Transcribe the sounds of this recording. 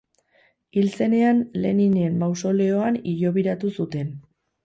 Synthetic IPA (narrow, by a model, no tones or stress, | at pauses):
ilt͡se̞ne̞anle̞̰nine̞mbawso̞le̞o̞aniʎo̞βiɾat̪usut̪e̞n